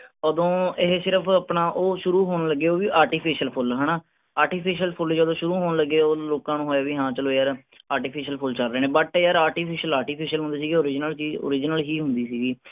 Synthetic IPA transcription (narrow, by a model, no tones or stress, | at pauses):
əd̪õːɪɦsɪɾəpʰaːpnaːʔoːʃʊɾuːɦoːnləɡːeːoːʋiːʔaːɾʈiːpʰiːʃəlpʰʊlɦənaː | aːɾʈiːpʰiːʃəlpʰʊld͡ʒəd̪õːʃʊɾũːɦoːnləɡeːoːloːkãːnũːɦoːjaːʋiːɦãːt͡ʃəloːjaːɾ | aːʈiːpʰiːʃəlpʰʊlt͡ʃəlɾɛːneːbəʈːjaːɾaːɾʈiːpʰɪːʃəlaːʈiːpʰiːʃəlɦʊ̃nd̪iːs̬iːɡiːoːɾɪd͡ʒnəlt͡ʃiːo̰ːɾɪd͡ʒnəlɦiːɦʊ̃nd̪iːsiːɡiː